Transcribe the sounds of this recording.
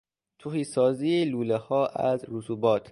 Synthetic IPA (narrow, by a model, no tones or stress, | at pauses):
t̪ʰuhiːsɒːziːeluːlehɒːʔæzɾusʰuːbɒːt̪ʰ